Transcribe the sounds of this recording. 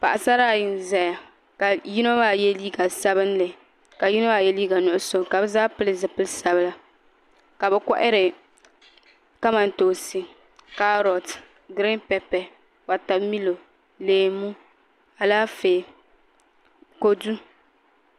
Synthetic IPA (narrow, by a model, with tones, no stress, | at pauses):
pa̰˨ʔa˨sa˦ɾaː˦˨jɪ˨n˨za˨ja˨ | ka˨ji˦no˦ba˦jɛ˦liː˦ɡa˨sa˦bɨ˦n˦lɨ˨ | ka˨ji˦no˦ba˦˨jɛ˦liː˦ɡa˨nʊ˦˨ʊ˦so˨ka˨bɛ˦zaː˦pɨ˦lɨ˨zɨ˨pɨ˦lsa˨bɨ˦la˦ | ka˨bɛ˨kɔ˦ʔɪ˦ɾɪ˨ | ka˦ma˨n˦to˨si˨ | ka˦ɾɔ˨t | ɡɾɪ˦npɛ˨pɛ˨ | wa˨ta˨bmi˦lo˨ | leː˨mu˦ | a˨laː˦feː˨ | ko˦du˦